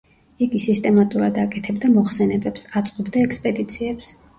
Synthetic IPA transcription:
iɡisist̪ʼɛmat̪ʼuɾad̪akʼɛt̪ʰɛbd̪amɔχsɛnɛbɛpsat̪sʼqʼɔbd̪aɛkspʼɛd̪it̪sʰiɛps

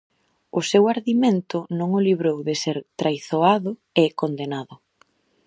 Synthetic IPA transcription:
ʊsewaɾðiment̪ʊnõŋʊliβɾowðɪseɾt̪ɾajθoaðʊ | ekond̪enaðʊ

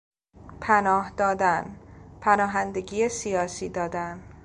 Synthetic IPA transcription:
pʰænɒːhd̪ɒːd̪ænpʰænɒːɦænd̪eɡiːjesijɒːsiːd̪ɒːd̪æn

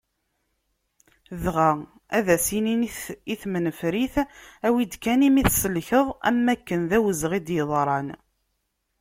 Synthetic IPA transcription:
ðʁæ | æðæsiniiθmənəfɾiθæwid̪kænimiθsəlçəðˤæ̰mːækːənðæwəzʁid̪jəðˤɾˤɑn

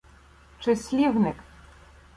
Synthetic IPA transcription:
t͡ʂɘsʲlʲivnɘk

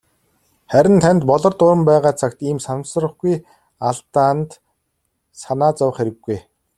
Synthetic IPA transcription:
χæɾʲɪ̆nt̪ʰænʲt̪pɔɮɞ̆rt̪ʊɾə̆mpæːʁaːt͡sʰakt̪iːmsansrə̆χɡuj | aɮt̪aːnt̪ | sanaːt͡sawə̆χeɾɘ̆ɡːuj

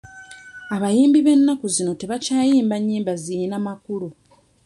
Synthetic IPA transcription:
aβajiːmbiβe̞nːakuzino̞te̞βacaːjiːmbaɲːiːmbaziinamakulu

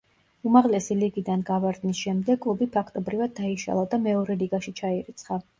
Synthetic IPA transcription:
umaʁlɛsiliɡid̪anɡavaɾd̪nisʃɛmd̪ɛɡʰˠubipʰakʰt̪ʼɔbɾivad̪ːaiʃa̰lˠad̪amɛɔɾɛliɡaʃit͡ʃʰaiɾit̪sʰχa

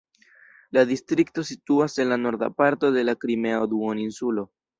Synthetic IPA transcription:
ladistɾikto̞situase̞nlano̞ɾda̰paɾto̞de̞lakɾime̞aod̪uoninsulo̞

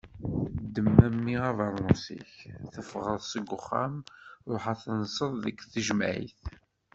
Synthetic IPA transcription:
d̪ːəmːæmːiævɑɾˤːʊsḭçθəfʁəðˤsəɡʷːʊχːa̰mɾˤoħaθənəsˤəðˤðəkθəʒmʕḭθ

